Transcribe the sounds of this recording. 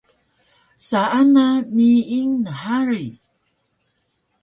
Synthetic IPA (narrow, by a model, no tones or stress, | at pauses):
saʔanamiːŋnəħaɾi